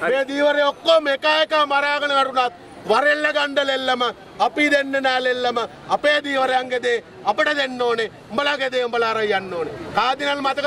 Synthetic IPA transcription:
meːd̪iːʋɐɾeokːoːmekaːjɐkaːmɐɾaːɡɐlɐɐɽunaːt̪̚ | ʋɐɾelːɐɡɐɳɖɐlelːɐmɐ | ɐpid̪enːenaːlelːɐmɐ | ɐpeːd̪iːʋɐɾeɐŋɡed̪eː | ɐpɐɽɐd̪enːoːne | mbɐlɐɡed̪eːmbɐlaːɾɐjːɐnːoːnekaːd̪inɐlmɐt̪ɐk

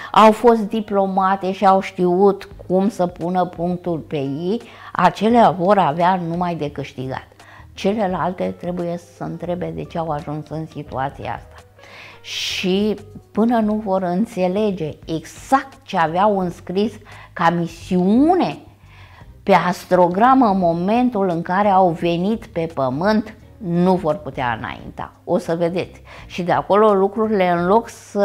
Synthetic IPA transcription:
awfo̞st̪̚d̪iplo̞mat̪e̞ʃiawʃt̪iut̪kʰumsəpunəpuŋk̚t̪ulpe̞jej | a̰t͡ʃe̞leavo̞ɾaveanumajd̪e̞kɨʃt̪iɡa̰t̪ | t͡ʃe̞le̞lalt̪e̞t̪ɾe̞buje̞ssəɨnt̪ɾe̞be̞d̪e̞t͡ʃe̞awaʒunsɨnsit̪ṵat̪sḭja̰a̰st̪ḁ | ʃipɨnənuvo̞ɾɨnt̪se̞le̞d͡ʒe̞ːɡz̥ak̚t̪̚t͡ʃeaveawɨnskɾiskamisiune̞ | pe̞ast̪ɾo̞ɡɾaməmo̞me̞nt̪ulɨŋkaɾe̞awve̞nit̪pe̞pəmɨnt̪ | nuvo̞rput̪ea̰ɨ̰na̰jḭnt̪a̰ | o̞səve̞d̪e̞t̪sʲʃid̪e̞a̰ko̞lo̞lukɾuɾile̞ɨnlo̞ksə

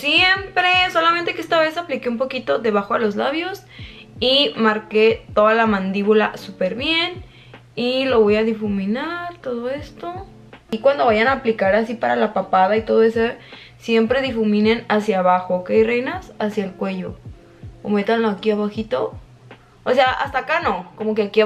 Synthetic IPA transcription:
sjempɾeso̞lament̪e̞keest̪aβe̞saplikeumpo̞kit̪o̞ðe̞β̞axo̞ðelo̞zlaβjo̞s | imaɾket̪o̞ðalamãnd̪iβulasupeɾβje̞n | ilo̞βo̞jaðifumĩnaɾt̪o̞ð̞o̞e̞st̪o̞ | ikwand̪o̞βajanaːplikaɾas̬ipaɾalapapaðait̪o̞ð̞oe̞so | sje̞mpɾe̞ðifumĩnenasjaːβaxokeajrejnasasjaelkwe̞ʝo̞ | o̰me̞t̪anloakiaβaxit̪o̞ː | seaʔa̰st̪aːkano̞ko̞mo̞k̬eaki

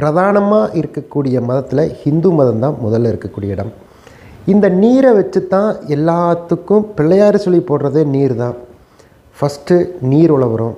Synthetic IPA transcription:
pɪɾɐðaːnɐmaːʔɪɾɯkːɐkːuːɽɪjɐmɐðɐt̪ːɪlɐhɪnd̪umɐðɐnd̪ãːmʊðɐlːɐɪɾɯkːɐkːuːɽɪjɐɪɽɐm | ɪnd̪ɐniːɾɐʋɐt͡ʃːɯt̪ːãːɛlːaːt̪ːɯkːɯ̃pɪɭːɐjaːɾɯsɔlːipːoːrɾɐðeːniːɾt̪ãː | fɐsʈːɯniːɾʊɭɐʋɯɾõː

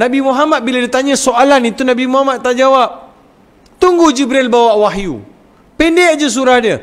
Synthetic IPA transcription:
nãbimoɦamat̪̚biladit̪aɲãsoʔalanit̪unãbimoɦamat̪̚ːaʔd͡ʒawap̚ | t̪uŋɡuhd͡ʒibɾilbawaʔwaɦjṵ | pɛnded͡ʒəs̬uɾahdə

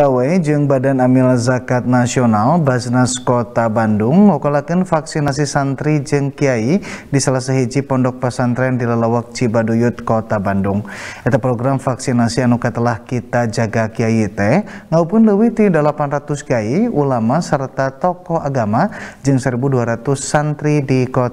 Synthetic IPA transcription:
awed͡ʒɨŋbadanamilazakat̪̚nasionalbasnaskot̪abandʊŋmaukalakɨnfaksinas̬isant̪ɾid͡ʒɨŋkiaidisalasaɦid͡ʒipɔndɔk̚pasant̪ɾɛndilalawak̚t͡ʃibadujut̪̚kot̪abandʊŋɛt̪apɾoɡɾamfaksinasianukat̪əlahkit̪ad͡ʒaɡakiait̪ɛŋaupʊnləwiht̪idəlapanrat̪uskiaiulamasərt̪at̪ɔkɔhaɡamad͡ʒɨŋsəɾibuduaɾat̪ʊsːant̪ɾidikot̪

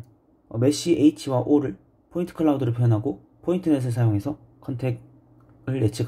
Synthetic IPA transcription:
ʌ̰me̞ɕ͈iʔeit͡ɕʰiwaʔoɾɯɭ | pʰointʰɯ̥kʰɯɭːaudɯɾɯɭpʰjjʌnɦaɡo | pʰointʰɯne̞s̬ʰɯɭsʰajoŋe̞sʰʌ | kʰʌntʰe̞ | ɯɭːe̞t͡ɕʰiɡa

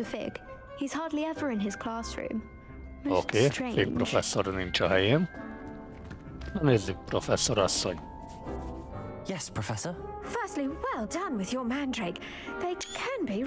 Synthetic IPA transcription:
əfɪ̰ɡ̥ | hiz̥hɑɹdˡliɛvə˞ɪ̃nɪz̥kʰl̥ɑːˑsɹʉ̰̃m | mɪoːkʰeːɹfek̚pɾofɛsːoɾnint͡ʃɒɦɛjeːn | ɒneːzːyk̚profɛsːoɾɒsːoɲ | jɛspʰɹ̥əfɛsə˞fɜ˞stˡliwɛlˠdʌ̃nwɪðjə˞mæ̃ndɹeɪɡ | ðeɪkʰə̃nbi

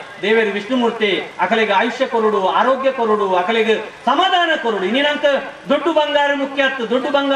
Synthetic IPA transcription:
d̪eːʋeɾuʋiʂɳumuɾt̪eɐkʰɐleɡeajuʃjɐkoɾuɽuaːɾoːɡjɐkoɾuɽuɐkʰɐleɡesɐmaːd̪ʱaːnɐkoɾuɽuininɐnt̪ɐd̪oɖːubɐŋɡaːɾɐmukʰjaːt̪ːud̪oɖːubɐŋɡa

